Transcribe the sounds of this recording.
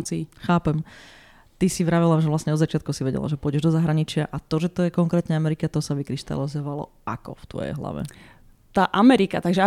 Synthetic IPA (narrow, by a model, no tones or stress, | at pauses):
nt͡siːxaːpɛm | t̪isiʋɾaʋɛlaʒɛʋlasɲɛɔd̪zat͡ʃɪat̪kusiʋɛɟɛ̰la̰ʒɛpʊɔɟɛʒd̪ɔzaɦɾaɲit͡ʃɪaʔat̪ɔʒɛt̪ɔjɛkɔŋkɾɛːt̪ɲɛamɛɾikat̪ɔsaʋikɾiʃt̪a̰lizɔʋalɔ̰ | a̰kɔ̰ft̪ʋɔ̰jɛ̰jɦla̰ʋɛ̰ | t̪aːʔamɛɾikat̪aɡʒɛa